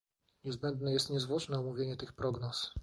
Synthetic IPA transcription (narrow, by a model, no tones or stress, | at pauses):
ɲɛzbɛnd̪nɛjɛst̪ɲɛzvwɔt͡ʂnɛumuvʲjeɲɛt̪ɘxpɾɔɡnɔs